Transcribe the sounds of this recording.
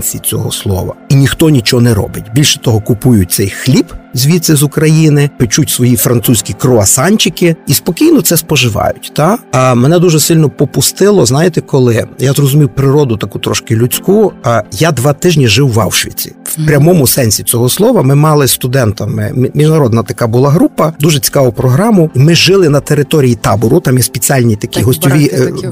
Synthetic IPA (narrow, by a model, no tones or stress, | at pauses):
t͡sʲit͡sʲɔ̰ɦɔslˠɔ̰ʋɐ̰inʲixt̪ɔnʲit͡ʃɔɦɔnɛɾɔ̰bɪtʲbʲilʲʃɛ̥t̪ɔɦɔkʊpujʊt̚ʲt̪sɛjxlʲipzʲʋʲit̪sɪzʊkɾɐjinɪpɪt͡ʃutʲsʋɔjifɾɐnt̪susʲkʲikɾɔɐsɑnʲt͡ʃɪkɪispɔkʲijnɔt̪sɛspɔʒɪʋɑ̰jʊtʲt̪ɑmɛnɛd̪uʒɛsɪlʲnɔpɔpʊst̪ɪlˠɔznɑjɪt̪ɛkɔlˠɪjazrɔzʊmʲiwpɾɪɾɔd̪ʊt̪ɐkut̪ɾɔʃkɪlʲʊt͡sʲkujad̪ʋɑt̪ɪʒnʲiʒɪwːɑ̰wʃʋʲḭt͡sʲi̥̰wpɾʲɐmɔmʊsɛnʲsʲit͡sʲɔɦɔslˠɔʋɐmɪmɑlˠɪst̪ʊd̪ɛnt̪ɐmɪ̰mʲiʒnɐɾɔd̪nɐt̪ɐkɑbʊlˠɑɦɾupɐd̪uʒɛt͡sʲi̥kɑʋʊpɾɔɦɾɑmʊimɪʒɪlˠɪnɐt̪eɾɪt̪ɔɾʲijit̪ɑbʊɾʊt̪ɑmjɛspʲet͡sʲialʲnʲit̪ɐkʲiɦɔsʲt̪ʲɔʋʲi